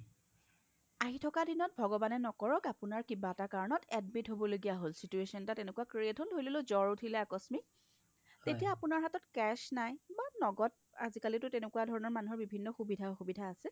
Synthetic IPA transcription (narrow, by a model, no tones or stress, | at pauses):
aɦitʰɔkadinɔt̚bʱɔɡɔbanɛnɔkɔɹɔkapunaɹkibatakaɹɔnɔtɛdmitɦobɔloɡijaɦolsituesɔntatɛnekuakɹietɦolɦojlolozɔɹutʰilɛakɔsmik̚ | tetijaːpʊnaɹɦatɔtkɛsnajbanɔɡɔt̚ | azikalitʊtenekuwadʱɔɹɔnɔɹmanuɦɔɹbibʱinːɔxubidʱaoxubidʱaːsɛ